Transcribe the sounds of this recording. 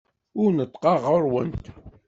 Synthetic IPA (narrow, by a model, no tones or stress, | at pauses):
ʊɾnət̪ˤːqɑʁəɾˤwənt̪